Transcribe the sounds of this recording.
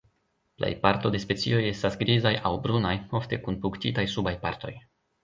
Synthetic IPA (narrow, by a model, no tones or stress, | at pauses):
pla̰jpaɾto̞de̞spe̞t͡sḭo̞je̞stasɡɾizajawbɾunajo̞fte̞kunpuktitajsubajpaɾto̞j